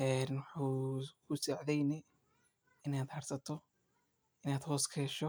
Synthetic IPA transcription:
ʔɛːnwɑħukʰʊsɐʕðɛjnɛ | ɪnaːd̪hɐrsɐt̪ʰɔ | ʔɪnaːd̪hɔːskʰɛːʃɔ

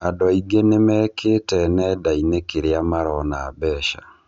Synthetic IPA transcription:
adɔiɡenemɛkʰeːtɛnɛdainekeɾeamaɾɔnaːbɛːʃa

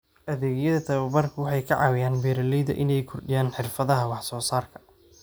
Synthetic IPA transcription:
ʔɐðɛːɣjɐðɐt̪ʰɐβɐbɐrkʰʊwɑħɑjkʰɐ̰ʕɑ̰ːwɪjaːnbɛːɾɐlɛjðɐ̰ʔɪnɛjkʰʊrɖɪjaːnħɪrfɐðɐɦɐwɑħsɔːsaːrkʰɐ̥

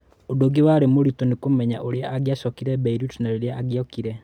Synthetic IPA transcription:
odoɡewaɾemoɾutɔnekomɛɲa̰ʔoɾeaʔːɡjaʃɔkiɾɛbɛiɾutnaɾoɾeaʔaɡjɔkiɾɛ

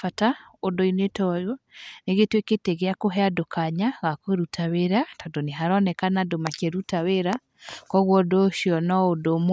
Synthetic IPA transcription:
fataodoinetɔjɔneɣetweketeɣeakoɦɛadokaɲaɣakoɾutʰaweɾatɔdoneɦaɾɔnɛkanadomakeɾutaweɾa | kɔɣwɔdoʃiɔnɔodom

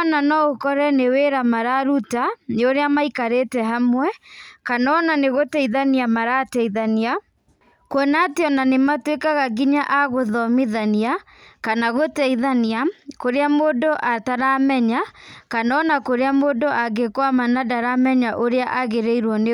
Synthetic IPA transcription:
nanɔokɔɾɛneweɾamaɾaɾutaneoɾeamaikaɾetɛɦamwɛkanɔnaneɣotɛiðaniamaɾatɛiðania | kwɔnateɔnanematwekaɣaɡiɲaʔaɣoðɔmiðania | kanaɣotɛiðaniakoɾeamoːdoʔataɾamɛɲakanɔnakoɾeamodoʔaɡekwamanadaɾamɛɲaʔoɾeaʔaɣeɾeiɾwɔne

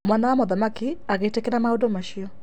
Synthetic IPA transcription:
mwanawamoðamakiaɣeitekenamaodomaʃiɔ

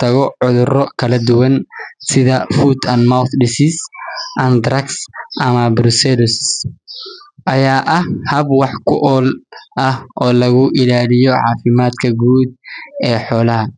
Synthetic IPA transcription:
t̪ʰɐɣɔʕʊðʊrɔkʰɐlɐd̪ʊwɐnsɪðɐfuːd̪ɐnmawθɖɪsɪsʔɐnd̪ɾɐksʔɐmɐbɾʊsɛlʊs | ʔɐjaːʔɐhhɐbwɑħkʰʊʔɔːlʔɐhʔɔːlɐɣʊʔɪlaːlɪjɔʕɑ̰ːfɪmaːd̪kʰɐɡuːd̪̚ɛːħɔːlɐɦɐ

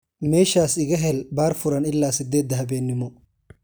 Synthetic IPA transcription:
meːʃaːsɪɡɐɦɛlbaːɾfʊɾɐnɪlːaːsɪd̪ːeːd̪ːɐɦɐbeːnːɪmːɔ

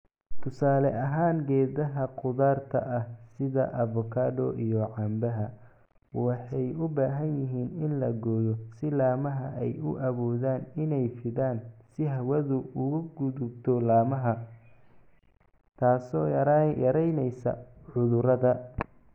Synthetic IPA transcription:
t̪ʰʊsaːlɛʔɐɦaːŋɡɛːðɐɦɐqʊðaːrt̪ʰɐ̰ʔɐhsɪðɐ̰ʔɐvɔkʰaːdɔʔijɔʕɑmbɐɦɐ | wɑħɑjʊbaːɦɐnjɪɦiːnɪnlɐɡɔːjɔsɪlaːmɐɦɐʔɛjʊʔɐβɔːðaːnɪnɛjfɪðaːnsɪɦɐwɐðʊʊɣʊɡʊðʊbt̪ʰɔlaːmɐɦɐ | t̪ʰaːsɔːɾjɐɾɛjnɛjsɐ̰ʕʊðʊɾɐðɐ

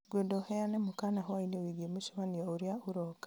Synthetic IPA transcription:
ɡweːndohejanemukanaɦowainewiɡimuʃuβaniouɾjauɾoka

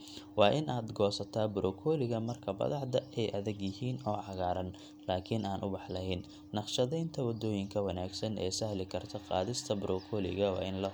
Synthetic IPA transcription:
wɑːʔɪnʔaːd̪ɡɔːsɐt̪ʰaːbʊɾʔɔːkʰɔːlɪɣɐmɐrkʰɐbɐ̰ðɑħd̪ɐɛjʔɐðɪɡjɪɦiːnɔːʕɑɣaːɾɐn | laːkʰɪnʔaːnʔʊbɑħlɐɦɪnː | ɑqʃɐðɛjnt̪ʰɐwɐd̪ɔːjɪŋkʰɐwɐnaːɡsɐnɛ̰ːsɐhlɪkʰɐrt̪ʰɔqɑ̰ːðɪst̪ʰɐbɾʔɔːkʰɔːlɪ̰ɣɐwɑ̰ːɪnlɐ

